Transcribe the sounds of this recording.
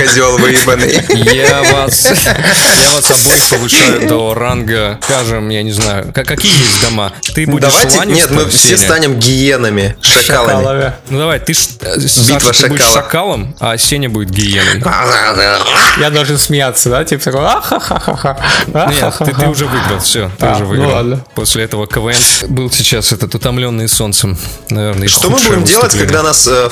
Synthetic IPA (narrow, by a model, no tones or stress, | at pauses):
kɐdʲolˠvɨbənɨjjavas | javasɐbojpəvɨʂajʊɛt̪əvəranɡəkaʐɨmjanʲɪznajʊ̰kakɐkʲijəjesʲtʲd̪ɐmat̪ɨbud̪ɪɐvajlʲˠɪanʲɪnʲet̪mɨfsʲensʲt̪anʲɪmɡʲɪjenɨmʲɪʂɐkalˠəmʲɪəmʲɪnud̪ɐvajt̪ɨʂbʲiit̪vəʂɐbudkɪaʂlˠːɐkalˠəmɐsʲenʲəbudʲɪt̪̚ɡʲɪjenɨ̰j | jad̪ɐlˠʐɨnsmʲɪjat̪sːəd̪atʲipsɐkoaxaxaxa̰xaaɨɨʊʐɛvɨɡɾəlˠfsʲot̪ɨʊʐɛvɨɡnɾlˠad̪nəposʲlʲɪɛt̪əvəkəvɛnbɨlˠsʲɪt͡ɕasɛt̪ət̪ʊt̪ɐmlʲo̞nːɨjso̞nt̪səmnɐvʲernəʂomɨbudʲɪmdʲelˠətʲkɐɡd̪anas